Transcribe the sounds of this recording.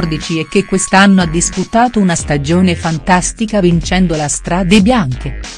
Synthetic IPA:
rd̪it͡ʃiɛkːekːwest̪anːoad̪ːisput̪aːt̪ounast̪ad͡ʒoːnefant̪ast̪ikavint͡ʃɛnd̪olast̪ɾaːd̪ebjaŋk̟e

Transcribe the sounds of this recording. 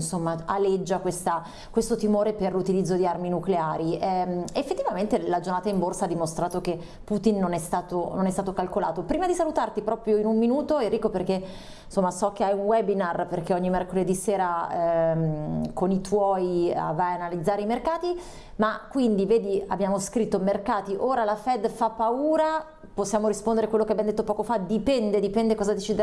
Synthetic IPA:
nsomːaalːed͡ʒːakwest̪a | kwest̪ot̪imoːɾeperlut̪ilid̪zːod̪iarminukleaːɾiɛefːet̪ːivament̪elad͡ʒornaːt̪aimborsaad̪ːimost̪ɾaːt̪oke | pːut̪inːonɛst̪aːt̪ononɛst̪at̪okalkola̰ːt̪opɾiːmad̪isalut̪art̪ipɾɔːpɾjoinumminuːt̪oɛrːiːkːoperk̟e | nsomːasɔk̟eajunwɛbinarperk̟eɔɲːimɛrkoled̪iseːɾamkonit̪wɔːja̰vajanalid̪zːaːɾeimerkaːt̪i | makːwind̪iveːd̪ia̰bjaːmoskɾit̪ːomerkaːt̪iʔoːɾalafɛd̪fapːauːɾa | posːjaːmoɾispond̪eɾekwelːokeabɛnd̪et̪ːopɔːkofad̪ipɛnd̪ed̪ipɛnd̪ekɔːzad̪et͡ʃid̪e

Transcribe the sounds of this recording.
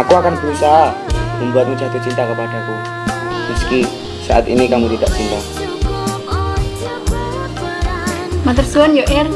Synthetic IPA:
akuakanb̥əɾusaɦaməmbuat̪̚mud͡ʒat̪ut͡ʃint̪akəpad̥aku | məski | sa̰ʔat̪inikamut̪id̥aʔt͡ʃint̪a | mat̪ərsuanjoʔɛr

